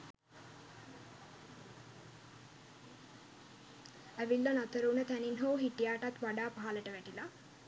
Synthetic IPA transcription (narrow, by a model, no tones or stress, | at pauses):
æʋilːanat̪əɾunət̪æninɦoːɦiʈijaːʈat̪ʋaɖaːpaɦaləʈəʋæʈila